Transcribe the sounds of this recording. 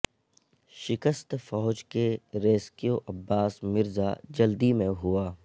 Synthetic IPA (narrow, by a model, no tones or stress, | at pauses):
ʃɪkəst̪fɔːd͡ʒkeɾeːskijoʔɐbːaːsmɪɾza̰d͡ʒɐld̪imẽɦuaː